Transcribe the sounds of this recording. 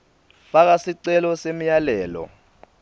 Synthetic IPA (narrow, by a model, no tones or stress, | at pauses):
fak̬asiǀɛlɔsem̩jalɛːlɔ̰